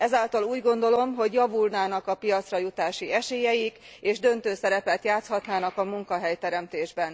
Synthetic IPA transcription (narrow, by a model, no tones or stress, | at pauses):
ɛzaːlt̪ɒluːɟɡo̞nd̪o̞lo̞mɦo̞ɟjɒvulnaːnɒkɒpijɒt̪srɒjut̪aːʃiɛʃeːjɛjik | eːʒd̪ø̞nt̪øːsɛɾɛpɛt̪jaːt̪shɒt̪naːnɒkɒmuŋkɒɦɛjt̪ɛɾɛmt̪eːʒbɛn